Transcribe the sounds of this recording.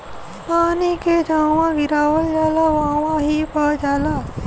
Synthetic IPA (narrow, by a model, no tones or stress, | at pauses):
paːniked͡ʒaːwãɡɪɾaːwəld͡ʒaːlaʋaːwãɦipad͡ʒaːla